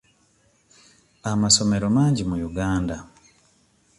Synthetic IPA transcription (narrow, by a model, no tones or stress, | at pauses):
amaso̞me̞ɾo̞maːɲɟimujuɡaːnda